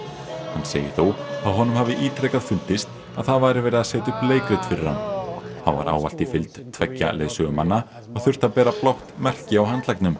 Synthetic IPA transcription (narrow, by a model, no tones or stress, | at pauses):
hanːsḛːjɪθowaðɦɔnːʏmhaːvðɪʔiːt̪ɾeːjkaðfʏlt̪ɪst̪ | aðθaðvajɾɪvɛːɾɪðaðsɛːt̪ʏpleːjkɾɪt̪fɪɾɪɾ̥ha̰nːθaðva̰ɾʔa̰ːwva̰l̥t̪ifɪlt̪t̪ʰvɛcːa̰lḛːðsʏɣʏmhanːa | ɔɣθʏr̥t̪aðpɛːɾaplawht̪mɛr̥cɪawɦant̪lajknʏm